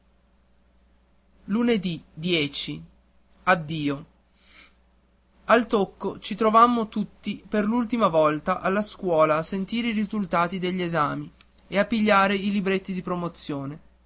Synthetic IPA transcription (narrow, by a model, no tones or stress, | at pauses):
luned̪id̪jɛːt͡ʃi | ad̪ːiːo | alt̪okːot͡ʃit̪ɾovamːot̪ut̪ːiperlult̪imavɔlt̪aʔalːaskwɔːlaːsent̪iːɾeiɾizult̪aːt̪id̪eʎːezaːmi | eapːiʎːaːɾeilibɾet̪ːid̪ipɾomot̪sːjoːne